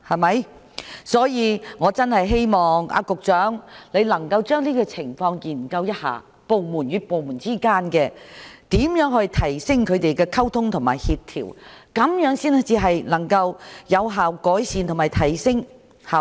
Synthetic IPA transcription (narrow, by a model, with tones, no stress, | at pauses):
hɐ˨mɐ˨˥j | sɔː˨˥jiː˧ŋɔː˨˧t͡sɐ˥nhɐ˨jɦe˥jmɔː˨ŋa̰ː˧kʊ˨k̚t͡ʃœː˨˥ŋle˨˧jlɐ˨˩ŋkɐ˧wt͡ʃœː˥ŋliː˥kɔː˧t͡sʰɪ˨˩ŋfɔː˧ŋjiː˨˩nkɐ˧wjɐ˥t̚ha̰ː˨ | po˨wmuː˨˩njyː˨˧po˨wmuː˨˩nt͡siː˥kaː˥nkɛː˧t̪iː˨˥mjœː˨˥ŋhɵ˧jt̪ʰɐ˨˩jsɪ˥ŋkʰɵ˨˧t̪e˨jkɛː˧kʰɐ˥wt̪ʰʊ˥ŋt̪ʰʊ˨˩ŋmaː˨˩jhiː˧t̚t̪ʰḭː˨˩wkɐ˨˥mjœː˨˥ŋsiː˥n˥t͡siː˨˧ɦɐ˨jnɐ˨˩ŋkɐ˧wjɐ˨˧wɦaː˨wkɔː˨˥jsiː˧nt̪ʰʊ˨˩ŋmaː˨˩jt̪ʰɐ˨˩jsɪ˥ŋ | haː˨